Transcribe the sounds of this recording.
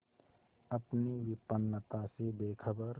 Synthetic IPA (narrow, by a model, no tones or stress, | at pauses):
ɐpniʋɪpənːət̪asebeːkʰəbəɾ